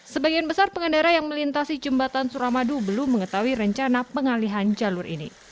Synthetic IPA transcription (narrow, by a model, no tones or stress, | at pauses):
səbaɡianbəsarpəŋəndaɾajaŋməlint̪asid͡ʒumbat̪ansuɾamadubəlumːəŋət̪awiɾəɲt͡ʃanapəŋaliɦand͡ʒalurʔḭnḭ